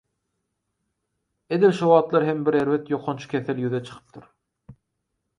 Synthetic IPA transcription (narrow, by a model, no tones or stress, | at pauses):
ed̪ilʃowɑːt̪lˠɑɾɦembiɾe̞ɾvet̪joqʰont͡ʃʰu̥kʲʰeθeljyðet͡ʃʰɯ̥qʰɯ̥p̚t̪ʰɯɾ